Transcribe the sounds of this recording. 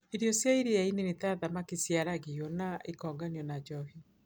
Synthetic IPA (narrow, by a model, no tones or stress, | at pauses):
eɾiɔsjaiɾejainenetaðamakesjaɾaɣiɔnaʔekɔŋɡanjɔnad͡ʒɔɦi